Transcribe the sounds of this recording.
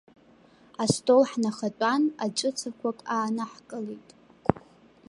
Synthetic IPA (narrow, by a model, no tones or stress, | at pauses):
astʼolħnaχatʷʼanat͡ʃʷʼɨt͡sʰakʷʰakʼaːnaħkʼɨlijtʼ